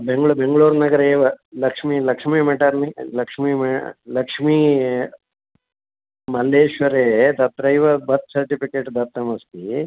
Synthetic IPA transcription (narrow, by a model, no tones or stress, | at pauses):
beŋɡɭubeŋɡɭuːɾnɐɡɐɾeːʋɐlɐkʂmilɐkʂmimɐʈɐɾnilɐkʂmimɐlɐkʂmi | mɐleːʃʋɐɾeːt̪ɐt̪ɾɐjʋɐbɐt̪̚sɐɾʈipikeːʈd̪ʱɐɾt̪ːɐmɐst̪i